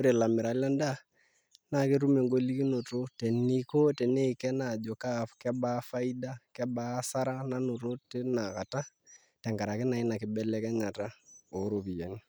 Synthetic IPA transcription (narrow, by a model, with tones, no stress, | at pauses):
o˦ɾe˨la˨mɪ˨ɾa˨la˦nda˦ | na˦˨kɪ˦ɾu˦me˨ŋɡo˦li˦ki˦no˨to˦tɛ˨ni˦ko˦tɛ˨ne˦i˨kɛ˦na˨d͡ʒo˨ka˦kɛ˦ba˦fa˦i˦da˦kɛ˦ba˦sa˦ɾa˦na˦nʊ˨ɾo˦tɪ˦na˨ka˨ta˦ | tɛ˨ŋɡa˨ɾa˨kɪ˦na˨ɪ˦na˨kɪ˨˦bɛ˦lɛ˦kɛ˦ɲa˨ta˦o˨˦ɾo˨pi˨ja˨ni˦